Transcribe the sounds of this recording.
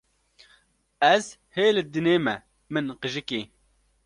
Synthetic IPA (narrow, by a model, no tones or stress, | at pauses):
ɛz | heːlɨd̪ɨneːmɛ̰ | mɨnqɨʒɨkeː